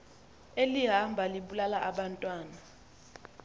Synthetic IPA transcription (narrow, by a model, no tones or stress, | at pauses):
eliɦambʱaliɓulalaʔaɓantʼwaːna